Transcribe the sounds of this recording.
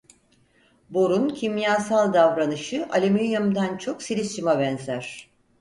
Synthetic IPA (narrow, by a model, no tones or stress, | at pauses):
bo̞ɾuncʰimjaːsalˠd̪avɾanɯʃɯʔalʲimyjamd̪ant͡ʃʰo̞ksilʲist͡ʃimabɛnzæɾ̥